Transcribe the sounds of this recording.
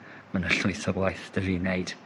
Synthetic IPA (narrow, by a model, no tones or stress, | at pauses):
mənəɬʊjθɔblˠajθdəɾiːnejd̥